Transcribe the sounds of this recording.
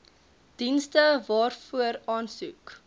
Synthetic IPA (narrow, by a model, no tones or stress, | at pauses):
d̥instəvɑːrfuəɾɑːnsuk